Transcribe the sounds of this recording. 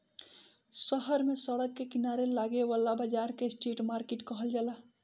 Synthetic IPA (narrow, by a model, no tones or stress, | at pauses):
səɦəɾmesəɽəkːekinaɾelaɡeʋalabəd͡ʒaɾkesʈeʈmaɾkeʈkəɦəld͡ʒaːla